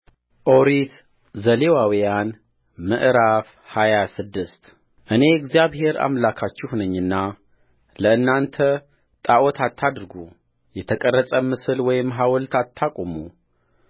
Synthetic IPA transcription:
ʔoɾit̪ | zəlewawijan | mɨ̰ʔɾaf | hajasɨd̪ːɨst̪ | ʔɨne̞ɡzjaβhe̞ɾa̰mlakʰat͡ʃːuhunəɲːɨnːa | ləɨnːant̪ʰə | t̪ʼaʔot̪ʰat̪ʰːad̪ɾɡu | jɛt̪ʰəkʼərːət͡sʼəmɨsɨlwɔjɪmːɦawɔlt̪ʰat̪ʰːakʼomu

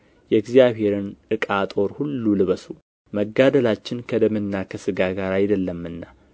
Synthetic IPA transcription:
jɛɡzijaβhe̞ɾɨnʔɨkʼat̪ʼo̞ɾhulːulɨβəsu | məɡːad̪əlat͡ʃːɪnkʰəd̪əmɨnːakʰəsɨɡaɡaɾajd̪əlːəmːɨnːa

